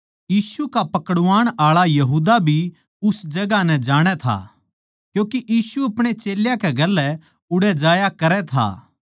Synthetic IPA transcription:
jiːsukapɐkəɽʊʋaːɽ̃aːɭajɐɦuːd̪abʱi | ʊsd͡ʒɐɡanɛ̃d͡ʒaːɽ̃ɛt̪ʰa̰ː | kjõːkiʔiːsuɐpɽ̃et͡ʃeːljakɛɡɐlːɛ | ʊɽɛd͡ʒaːjakɐɾɛt̪ʰa̰ː

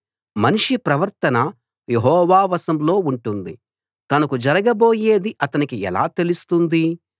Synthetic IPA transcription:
mɐniʂipɾɐʋɐɾt̪ɐnɐ | jeɦɔːʋaːʋɐsɐmlo̞ːuɳʈund̪i | t̪ɐnɐkud͡ʒɐɾɐɡɐbo̞ːje̞ːd̪iʔɐt̪ɐnikiɛ̰la̰ːt̪e̞lust̪und̪i

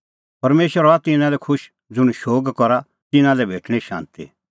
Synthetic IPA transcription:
pɐɾmeːʃʋəɾɔat̪ɪnãlɛkʰʊʃ | d͡zʊɽ̃ʃoːɡkɔɾa | t̪ɪnãlɛbʱeːʈʰɽ̃iʃã̰ːnt̪ḭ

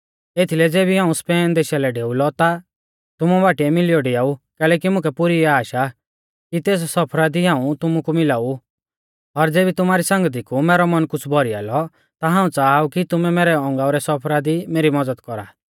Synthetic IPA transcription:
eːt̪ʰilɛd͡zeːbiɦãːũspɛːnd̪eːʃalɛɖeːulɔt̪a | t̪ʊmubaːʈiɛmɪlijɔɖiaːukɛːlɛːkimʊ̃kʰɛpʊɾiɛaːʃa | kit̪eːs̬sɔpʰɾad̪iɦãːũt̪ʊmukumɪlaːu | ɔɾd͡zeːbit̪ʊmaːɾisãŋɡət̪̬ikumɛːɾɔmɐnkʊt͡sʰbʱɔɾia̰ːlɔ | t̪aɦãːũt͡saːaukit̪ʊmɛmeːɾɛɔ̃ŋɡaːuɾɛsɔpʰɾad̪imeːɾimɔd͡zəd̪kɔɾa̰ː

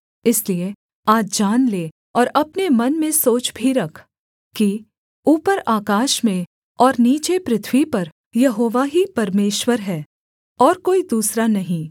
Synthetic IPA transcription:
ɪslie | aːd͡ʒd͡ʒaːnleː | ɔːɾɐpnemɐnmẽsoːt͡ʃbʱiɾɐkʰ | ki | uːpəɾaːkaːʃmẽ | ɔːɾniːt͡ʃepɾɪt̪ʰwipɐɾ | jɐɦoːʋaɦipɐɾmeːʃwəɾɦɛː | ɔːɾkoːid̪uːsɾanɐɦĩː

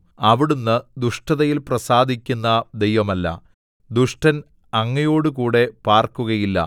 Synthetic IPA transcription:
ɐʋiɽunːɨd̪uʂʈɐðɐjilprɐsaːd̪ʱikʲːunːɐd̪e̞jʋɐmɐlːɐ̰ | d̪uʂʈɐn | ɐŋːɐjo̞ːɽɨkuːɽe̞paːrkuɣɐjilːɐ̰

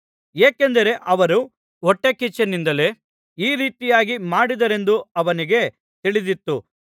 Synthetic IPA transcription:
jeːkend̪ɐɾe̞ʔɐʋɐɾu | ɔʈːekit͡ʃːɐnind̪ɐle̞ː | iːɾiːt̪ijaːɡimaːɽid̪ɐɾe̞nd̪uɐʋɐniɡe̞ | t̪iɭid̪it̪ːu

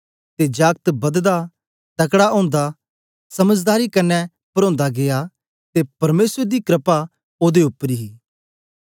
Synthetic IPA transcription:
t̪ed͡ʒaːk̚t̪bɐd̪d̪a | t̪ɐkɽaʔõːnd̪a | sɐməd͡ʒd̪aːɾikɐnːɛ | pɐɾõːnd̪aɡeja | t̪epɐɾmeːsəɾd̪ikɾəpa | oːd̪eʊpːəɾiɦiː

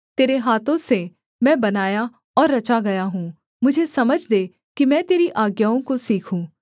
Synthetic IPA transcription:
t̪eːɾeɦaːt̪ʰõse | mɛ̃ːbɐnaːja | ɔːɾːɐt͡ʃaɡɐjaɦũː | mʊd͡ʒʱesɐməd͡ʒʱd̪e | kimɛ̃ːt̪eːɾiʔaːɡjaːõkosiːkʰũː

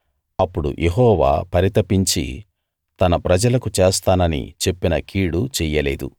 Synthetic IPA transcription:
ɐpːuɽṵʔeɦɔːʋa̰ːpɐɾit̪ɐpiɲt͡ʃḭ | t̪ɐnɐpɾɐd͡ʒɐlɐkut͡ʃeːst̪aːnɐnḭt͡ʃe̞pːinɐkʰiːɽut͡ʃɛːjɐleːd̪ṵ

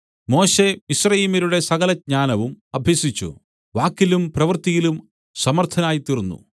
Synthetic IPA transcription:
mo̞ːɕe̞isrɐjiːmiɾuɽe̞sɐɣɐlɐd̚ɲaːnɐʋumɐbʱjɐsit͡ɕːṵ | ʋaːkːilumprɐʋɐrt̪ijilum | sɐmɐrt̪ʰɐnaːjit̪irunːṵ

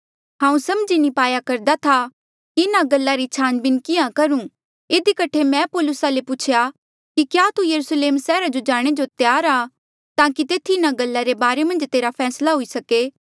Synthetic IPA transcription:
ɦãːũsɐmd͡ʒinipaːjakɐɾd̪at̪ʰa | kiɪnaɡɐlːaɾit͡ʃʰaːnbɪnkɪjãkɐɾũ | ɪd̪ikɐʈʰemɛ̃poːlʊsalepʊt͡ʃʰja | kikjaːt̪ujɐɾusleːmsɛːɾad͡ʒod͡ʒaːɽ̃ed͡ʒot̪jaːɾaː | t̪aːkit̪eːt̪ʰiɪnaɡɐlːaɾebaːɾemɐ̃nd͡ʒt̪eːɾapʰɛːslaɦoisɐkeː

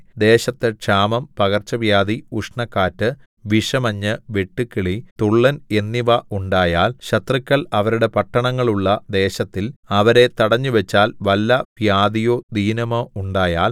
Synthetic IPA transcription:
d̪e̞ːɕɐt̪ːɨʈʂaːmɐmpɐɣɐrt͡ɕɐʋjaːd̪iuʂɳɐkːaːtːɨ | ʋiʂɐmɐɲːɨʋeʈːukːiɭit̪uɭːɐne̞nːiʋɐuɳɖaːjaːlɕɐt̪rikʲːɐɭɐʋɐɾuɽe̞pɐʈːɐɳɐŋːɐɭuɭːɐd̪e̞ːɕɐt̪ːilɐʋɐɾe̞t̪ɐɽɐɲːuʋet͡ɕːaːlʋɐlːɐpjaːd̪ijo̞ːd̪iːnɐmouɳɖaːjaːl

